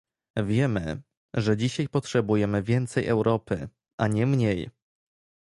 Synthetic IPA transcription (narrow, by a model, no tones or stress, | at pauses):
vʲjɛmɘ̰ | ʐɛd͡ʑiɕajpɔtʂɛbujɛmɘvʲjɛnt̪sɛjʔɛ̰wɾɔpɘ̰ | ʔaɲɛmɲej